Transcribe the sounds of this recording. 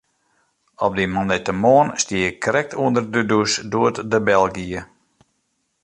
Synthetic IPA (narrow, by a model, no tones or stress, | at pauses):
ɔp̚dimɔndɛtəmoənstiəɪkːrɛk̚tʰuəndərdədusdoətdəbɛlˠɡiə